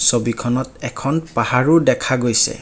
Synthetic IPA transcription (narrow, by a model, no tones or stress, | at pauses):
sobikʰɔnɔtɛkʰɔnpahaɹudɛkʰaɡojsɛ̰